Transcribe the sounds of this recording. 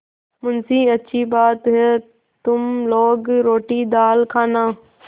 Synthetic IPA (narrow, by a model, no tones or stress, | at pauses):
mʊnsiːɐtːʃʰibaːt̪ɦe | t̪ʊmloːɡɾoːʈid̪aːlkʰaːnaː